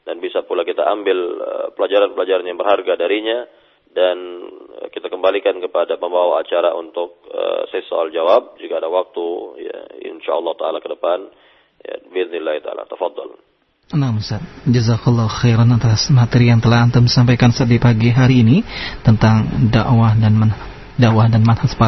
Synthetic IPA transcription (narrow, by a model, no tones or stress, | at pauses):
danbisapulakit̪aambɪləpəlad͡ʒaɾanpəlad͡ʒaɾanjaŋbərharɡadaɾiɲa | dankit̪akəmbalikankəpadapəmbawaat͡ʃaɾaʔṵnt̪ʊk̚ə̰sɛsoald͡ʒawap̚d͡ʒukaːdawak̚t̪uja̰ɪ̰nʃa̰ɑ̰lːɑhut̪aalakədəpan | ja̰biðnilahit̪aa̰la̰t̪afɑd̪ːɔ̰l | namsat̪̚d͡ʒəzakulːawxeɾanat̪asmat̪əɾijaŋt̪əlahant̪əmisampajkansadipaɡiɦaɾiːnit̪ənt̪aŋdaʔwadann | daʔwahdanmanhasə̥pa